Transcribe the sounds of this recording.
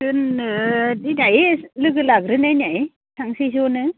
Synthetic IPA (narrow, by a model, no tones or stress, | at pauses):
ɯn | dinajelɯɡɯlaɡɾɯnajnaj | sʰaŋsisonɯ